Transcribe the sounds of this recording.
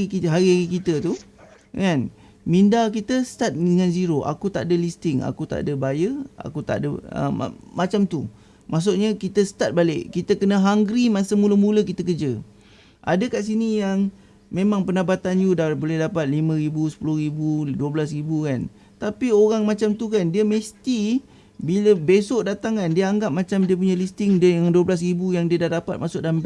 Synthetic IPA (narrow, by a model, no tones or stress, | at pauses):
ikiɦaɾiɦaɣikit̪ət̪u | kan | mindakit̪əst̪at̪̚dəŋãnziɾoʔa̰kut̪aʔadəlist̪ɪŋa̰kut̪a̰dəbajəa̰kut̪a̰ʔdəə̰mat͡ʃamt̪u | mʔas̬ʊʔɲəkit̪əsə̥t̪at̪̚baleʔkit̪əkənəɦaŋɡɾimasəmuləmuləkit̪əkəd͡ʒə | ʔa̰dəkaʔs̬inijaŋ | memãŋpənabat̪anjudabolɛhdapat̪̚limə̃ɾibusə̥pulʊhɾibuduəbəlasɾibukan | t̪apioɾaŋmat͡ʃamt̪ukandiəməst̪i | biləbesoʔdat̪aŋkandiəaŋɡap̚mat͡ʃamdiəp̬uɲalist̪ɪŋdəjaŋduəblas̬ɾibujaŋdiədahdapat̪̚masʊʔdamb